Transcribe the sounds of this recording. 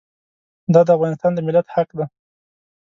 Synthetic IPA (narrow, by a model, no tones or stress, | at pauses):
d̪ɑd̪əafɣɑnɪst̪ɑnd̪əmɪlat̪haqd̪a